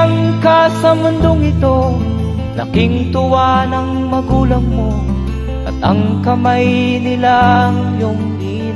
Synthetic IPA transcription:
ɐŋkasɐmʊnd̪oŋɪt̪o̞ | lɐ̰kɪŋt̪ʊwanɐŋ | mɐɡuːlɐŋmo | ʔɐt̪ɐŋkɐmajnɪlaŋjʊŋ | i

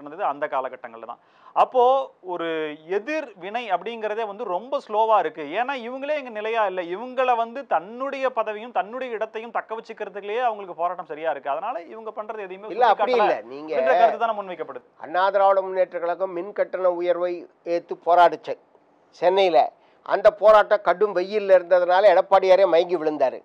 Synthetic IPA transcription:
ɐnɐnd̪ɐðɯɐnd̪ɐkaːlɐkɐʈːɐŋɡɐɭlt̪ã̰ː | ʔɐpːoːɔɾɯɛðɪɾʋɪɳɐɪɐpːɐɽɪŋɡɪɾɐðeːʋɐnd̪ɯɾɔmbɐsloːʋaːɪɾɯkːɯeːnːaːɪʋɐŋɡɐɭeːɛŋɡɐnɪlɐjaːɪlːɐɪʋɐŋɡɐɭʋɐnd̪ɯt̪ɐnːɯɽɐjɐpɐðɐʋɪjɯmt̪ɐnːɯɽɪjɐɪɽɐt̪ːɐjɯmt̪ɐkːɐʋɛt͡ʃːɯkːɪɾɐðɯkːjeːɐʋɐŋɡɐɭɯkːɯpoːɾaːʈːɐmsɐɾɪjaːɪɾɯkːɯɐðɐnaːlɐɪʋɐŋɡɐpɐɳrɐðɯɛðɐjɯmeːɪlːɐɐpkːɐɽɪɪlːɐniːŋɡɐrɐkɐɐt̪ːɯt̪aːnːmʊnʋɐɪkːɐpːɐɽɯðɯɐ̰nːaːðɐɾaːʋɐɽɐmʊnːeːʈːɐkɐɭɐkːɯmːɪnkɐʈːɐnɐʊjɐɾʋɐɪ | eːt̪ːɯpoːɾaːʈːɯt͡ʃːɐ | sɛnːɐjɪlːɐ̰ | ʔɐ̰nd̪ɐpoːɾaːʈːɐ̃kɐʈːɯmʋɛjːɪlːɐɪɾɯnd̪ɐðɐnaːlɐɛɽɐpːaːɽɪjaːɾeːmɐjɐŋɡiʋɪɭɯnd̪aːɾɯ̰

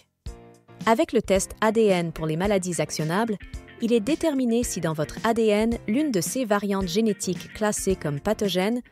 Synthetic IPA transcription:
avɛklət̪ɛst̪ad̪eɛnpuʁlemalad̪izaksjɔnablilɛd̪et̪ɛʁminesid̪ɑ̃vɔt̪χad̪eɛnlynd̪əsevaʁjɑ̃t̪ʒenet̪ʰikːlasekɔmpat̪ɔʒɛn

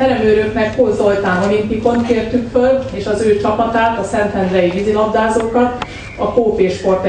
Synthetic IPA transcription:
ɛɾɛmøːɾøknɛkhozolt̪aːnɒlint̪iko̞nkeːrt̪ykføleːʃɒzøːt͡ʃɒpɒt̪aːt̪ɒsɛnt̪ʰɛnd̪ɾɛjivizilɒbd̪aːzoːkɒt̪ | ɒkoːpeːʃpo̞rt̪

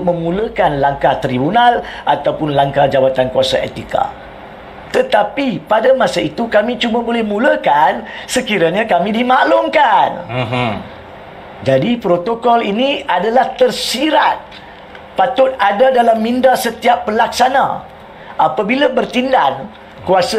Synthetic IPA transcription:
mə̃mũləkanlaŋkaht̪ɾibunalʔat̪awpʊnlaŋkad͡ʒawat̪ankuasa̰ʔḛt̪ika̰ | t̪ət̪apipadamasait̪ukamĩt͡ʃumãbolɛhmũləkansəkiɾaɲãkamĩdimalʊŋkan | d͡ʒadipɾot̪okɔliniadalaht̪ərsiɾat̪̚ | pat̪ʊt̪̚adadalamːĩndasət̪iapːəlaksanã̰ | ʔapabilabərt̪indan | kuasa

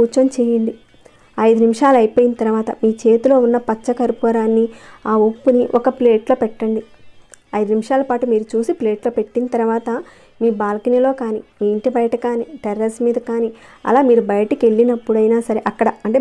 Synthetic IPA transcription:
uːt͡ʃɐmt͡ʃeːjɐɳɖi | ɐjd̪unimiʂaːluɐjpo̞ːjinɐt̪ɐɾɐʋaːt̪ɐ̰miːt͡ʃe̞ːt̪ulo̞ːunːɐpɐt͡ʃːɐkɐɾipoːɾaːnːiaːupːuniʔɔkɐple̞ːʈlo̞ːpɛʈːɐɳɖi | ɐjd̪unimiʂaːlɐpaːʈumiːɾut͡ʃuːsipleːʈlo̞ːpe̞ʈːinɐt̪ɐɾɐʋaːt̪ɐ | miːbaːlɐkinɐlo̞ːkaːnimiːiɳʈibɐjɐʈɐkaːniʈɛɾɐsmiːd̪ɐkaːniɐ̰laːmiːɾubɐjɐʈɐkie̞ɭːinɐpːuɽɐjnaːsɐɾe̞ʔɐkːɐɽɐɐɳʈe

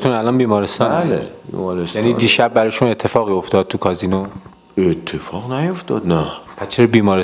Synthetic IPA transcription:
t̪ʰunælɒnbiːmɒːɾest̪ɒːnlḛbḭmɒɾesjæniːd̪iːʃæbːæɾɒːjʃune̞t̪ʰːe̞fɒːɣiːo̞ft̪ɒːd̪̚t̪ʰukʰɒːziːno | et̪ʰːefɒːɣnæjoft̪ɒ̰d̪næpʰæt͡ʃʰeɾbiːmɒːɾe

